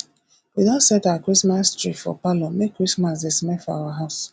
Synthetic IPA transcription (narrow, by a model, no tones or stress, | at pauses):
widãsɛtawakɹismastɹifɔ̰palomekʰːɹismas̬desmɛfɔa̰waɦaʊs